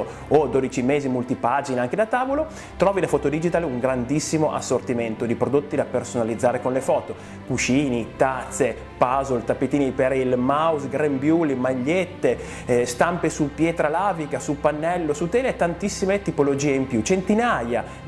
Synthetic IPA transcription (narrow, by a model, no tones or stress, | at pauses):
od̪oːd̪it͡ʃimeːzimult̪ipad͡ʒinaŋked̪at̪aːvolo | t̪ɾɔːvid̪afɔːt̪od̪id͡ʒit̪aleuŋɡɾand̪isːimoʔa̰sːort̪iment̪od̪ipɾod̪ot̪ːid̪apersonalid̪zːaːɾekonlefɔːt̪o | kut͡ʃiːnit̪at̪sːe | pazolt̪apːet̪iːnipeɾilmausɡɾembjuːlimaʎːet̪ːe | st̪ampesupjɛːt̪ɾalaːvikasupanːɛlːosut̪ːeːlet̪ːant̪isːimet̪ipolod͡ʒiːeimpjut͡ʃent̪inaja